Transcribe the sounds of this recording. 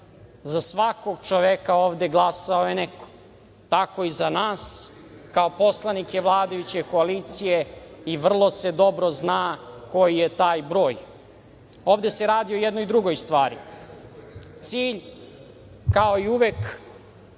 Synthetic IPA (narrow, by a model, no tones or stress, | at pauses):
zasʋako̞ɡt͡ʃoʋekaoːʋd̪e̞ɡlˠasaojeneko̥ | t̪ako̞izanaːs | kao̞po̞slˠanike̞ʋlˠaːd̪ajut͡ɕe̞ko̞aliːt̪sijeiʋr̩lˠo̞se̞d̪o̞bɾo̞znaːko̞jijet̪aːjbɾo̞ːj | oːʋd̪e̞seɾaːd̪iojɛd̪nojd̪ɾuɡojst̪ʋaːɾḭ | t̪siːʎ | kao̞iuʋek